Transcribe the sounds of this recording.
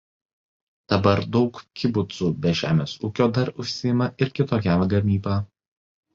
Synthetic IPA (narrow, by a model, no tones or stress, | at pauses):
d̪̥ɐbɐɾd̪ɒʊkkʲɪbʊt̪suːbʲɛʒʲæ̰ːmʲeːsuːkʲoːd̪ɐɾʊʃʲsʲɪjɪmɐʔɪɾkʲɪt̪oːkʲæmɐɡɐmʲiːbɑː